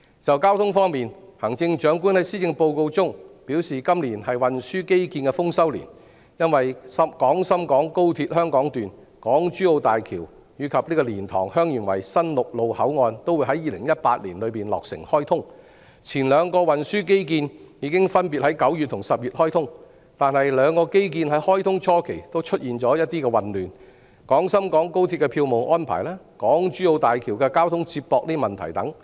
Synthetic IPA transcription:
t͡sɐ˨wkaː˥wt̪ʰʊ˥ŋfɔː˥ŋmiː˨nhɐ˨˩ŋt͡sɪ˧ŋt͡ʃœː˨˥ŋkuː˥nhɐ˨˥jsiː˥t͡sɪ˧ŋpo˧wko˧wt͡sʊ˥ŋpi˨˥wsiː˨kɐ˥mli˨˩nhɐ˨jwɐ˨nsyː˥ke˥jkiː˧nkɛ˧fʊ˥ŋsɐ˥wlḭː˨˩n | jɐ˥nwɐ˨jsɐ˥mkɔː˨˥ŋsɐ˥mkɔː˨˥ŋko˥wt̪ʰiː˧t̚hœː˥ŋkɔː˨˥ŋt̪yː˨n | kɔː˨˥ŋt͡ʃyː˥o˧wt̪aː˨jkʰiː˨˩w | jyː˨˧kʰɐ˨p̚liː˥kɔː˧liː˨˩nt̪ʰɔː˨˩ŋhœː˥ŋjy˨˩nwɐ̰˨˩jsɐ˥nlʊ˨k̚lo˨˧whɐ˨˥wŋɔː˧nt̪o˥wu˨˧jɦɐ˨˥jiː˧lɪ˨˩ŋjɐ˥t̚paː˧t̚liː˨˩nlɵ˨˧ɥpiː˨nlɔ̰ː˨k̚sɪ̰˨˩ŋhɔː˥jt̪ʰʊ˥ŋ | t͡sʰiː˨˩nlœː˨˧ŋkɔː˧wɐ˨nsyː˥k̬e˥jk̬iː˧njiː˨˧˥kɪ˥ŋfɐ˥npiː˨t̚hɐ˨˥jkɐ˨˥wjy˨t̪̚ʰʊ˨˩ŋsɐ˨p̚jyː˨t̚hɔː˥jt̪ʰʊ˥ŋ | t̪aː˨nhɐ˨jlœː˨˧ŋkɔː˧ke˥jk̬iː˧nɦɐ˨˥jhɔː˥jt̪ʰʊ˥ŋt͡ʃʰɔː˥kʰe˨˩jt̪o˥wt͡ʃʰɵ˥t̚jiː˨nt͡ʃɔː˨˥jɐ˥t̚t̪iː˥kɛː˧wɐ˨˩nlyː˨˩n | kɔː˨˥ŋsɐ˥mkɔː˨˥ŋko˥wt̪ʰiː˧t̚kɛ˧pʰiː˧wmo˨wʔɔː˥npʰa̰ː˨˩jlɛː˥ | kɔː˨˥ŋt͡ʃyː˥o˧wt̪aː˨jkʰiː˨˩wkɛ˧kaː˥wt̪ʰʊ˥ŋt͡siː˧p̚pɔː˧k̚niː˥mɐ˨nt̪ʰɐ˨˩jt̪ɐ˨˥ŋ

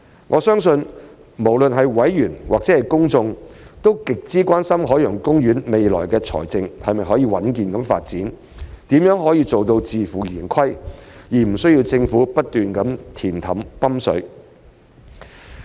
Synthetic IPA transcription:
ŋʔɔː˨˧sœː˥ŋsɵ˧n | mo˨˩wlɵ˨nɦɐ˨jwɐ˨˥jːyː˨˩nwaː˨k̚t͡sɛ˨˥hɐ˨jkʊ˥ŋt͡sʊ˧ŋt̪o˥wkɪ˨k̚t͡siː˥kʷaː˥nsɐ˥mɦɔː˨˥jœ˨˩ŋkʊ˥ŋɥyː˨˥nme˨jlɔ̰ː˨˩jkɛː˧t͡sʰɔ̰ː˨˩jt͡sɪ˧ŋhɐ˨jmɐ˨jɦɔː˨˥jiː˧wɐ˨˥nkiː˨nkɐ˨˥mfa̰ː˧t̚t͡siː˨˥n | t̪iː˨˥mjœː˨˥ŋɦɔː˨˥jiː˧t͡so˨wt̪o˧wt͡siː˨fuː˨˩jiː˨˩nkʰɐ˥jjiː˨˩m̩˨˩sɵ˥ɥji˧wt͡sɪ˧ŋfuː˨˥pɐ˥t̚t̪yː˨nkɐ˨˥mt̪ʰiː˨˩nt̪ʰɐ˨˥mpɐ˥msɵ̰˨˥

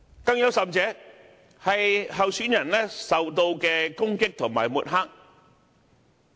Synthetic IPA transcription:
kɐ˧ŋjɐ˨˥wsɐ˨mt͡sɛː˨˥ | hɐ˨jɦɐ˨wsyː˨˥njɐ˨˩nlɛː˥sɐ˨wt̪o˧wkɛː˧kʊ˥ŋkɪ˥k̚t̪ʰʊ˨˩ŋma̰ː˨˩jmuː˨t̚ɦaː˥k̚

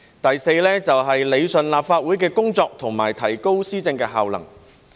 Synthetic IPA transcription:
t̪ɐ˨jse˧jlɛː˥t͡sɐ˨wɦɐ˨jle˨˧jsɵ˨nlaː˨p̚faː˧t̚wuː˨˥jkɛː˧kʊ˥ŋt͡sɔː˧k̚t̪ʰʊ˨˩ŋmaː˨˩jt̪ʰɐ˨˩jko˥wsiː˥t͡sɪ˧ŋkɛː˧ɦaː˨wlɐ̰˨˩ŋ

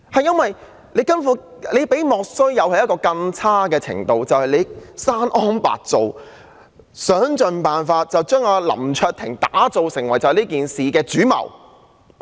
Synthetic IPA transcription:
hɐ˨jɐ˥nwɐ˨j | le˨˧jkɐ˥nfu˨˧˥ | le˨˧jpe˨˥jmɔː˨k̚sɵ˥ɥjɐ˨˧whɐ˨jɐ˥tkɔː˧kɐ˧ŋt͡sʰaː˥kɛː˧t͡sʰɪ̰˨˩ŋt̪o˨wt͡sɐ˨whɐ˨jle˨˧jsaː˥nʔɔː˥npa̰ː˨˩k̚t͡so˨w | sœː˨˥ŋt͡ʃɵ˨npaː˨nfaː˧t̚t͡sɐ˨wt͡ʃœː˥ŋaː˧lɐ̰˨˩mt͡ʃʰœː˧t̪ʰɪ˨˩ŋt̪aː˨˥t͡so˨wsɪ˨˩ŋwɐ˨˩jt͡sɐ˨˧hliː˥k̬iː˨nsiː˨kɛː˧t͡ʃyː˨˥mɐ̰˨˩w

